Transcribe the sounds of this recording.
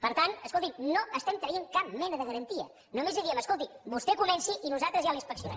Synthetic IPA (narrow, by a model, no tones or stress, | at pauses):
pəɾt̪anəskolˠt̪imnoəst̪ɛmt̪ɾəeŋkap̚mɛnəðəɣəɾənt̪iə̰ | numeziðiəməskolˠt̪ibust̪ɛkunɛnsiʔinuzat̪ɾəzjalinspəksiunɛ̰